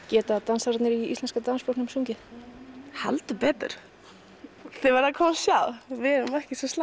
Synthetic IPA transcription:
cɛːt̪at̪ansaɾt̪nɪɾiist̪ɛnskat̪anspowknʏmsuŋcɪn | hɛ̰lt̪ʏpɛːt̪ɪ̰ɾ̥ | θɪvaɾðakʰɔːmsjawvɪɛɾʏmɛhcɪsɔsla

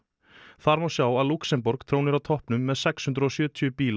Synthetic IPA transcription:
θaɾmawsjaːwaðluksɛmpɔɾkt̪ʰɾoːwnɪɾawt̪ʰɔhpnʏmːɛðsɛkshʏnt̪ɾɔsjœːt̪ʰʏʏpiːl

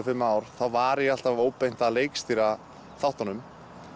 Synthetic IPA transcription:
fɪmːaːwɾ̥θawvaːɾɪjɛal̥t̪avoːwpejn̥t̪aleːjkst̪iːɾa | θawht̪anʏm

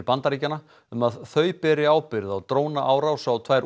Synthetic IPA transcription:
pant̪aɾiːcana | ʏmaðθœɥpɛɾɪaːwpɪɾðawt̪ɾoːwnaʔaːwɾawsawt̪ʰv̥ajɾ

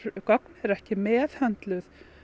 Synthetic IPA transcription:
kɔknɛɾɛhcɪmɛːðhɛnt̪lʏθ

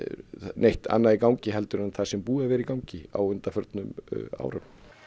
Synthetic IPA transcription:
nejht̪a̰nːaðikawɲcɪɦɛlt̪ʏɾanːθasɛmpuːavɛːɾɪkawɲcɪa̰wʏnt̪afœɾt̪nʏma̰ːwɾʏm

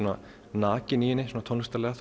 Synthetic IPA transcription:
na | naːcɪniːjɪnːɪsuːnat̪ʰɔnst̪aɾlɛːɣaθ

